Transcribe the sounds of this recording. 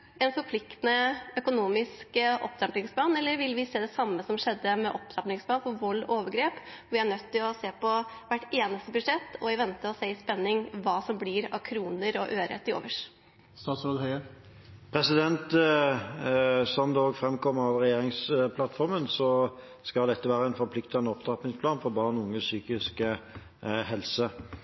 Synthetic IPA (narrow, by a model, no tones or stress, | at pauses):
ɛnfɔɾpʰlɪkt̪ənəœkʊnuːmɪskəʔɔ̰pt̪ɑmplɪŋspʰlɑːnɛlːəɾʋɪlʋɪseːd̪ɛsɑmːəsɔmʂɛd̪ːəmɛʔɔpt̪ɾɑpnɪŋsplɑːnfɔʋɔlːɔ̰oːʋəɡɾeːpʋɪæɳœt̪ʰːɪlɔseːpɔʋæʈːeːnəst̪əbʉd̪ʂɛt̪ːɔɪʋɛnt̪əɔseːɪspɛnːɪŋʋɑːsɔmblɪɾɑ̰ʋkʰɾuːnəɾɔʔøːɾɛ̰t̪ːɪo̰ːʋəʂ | st̪ɑːt̪sɾoːd̪hœʏə | pʰɾɛsɪd̪ɛnt̪ | sɔmd̪ɛoːɡfɾɛmkʰɔmːəɑʋʁɛjeːɾɪŋspʰlɑt̪fɔɾmənsɔ | skɑld̪ɛt̪ːəʋæːɾəɛɪnfɔɾpʰlɪkt̪ɑnːəɔpd̪ɾɑpnɪŋsplɑːnfɔɾbɑːɾənʊŋːəsyːkɪskə | hɛlsə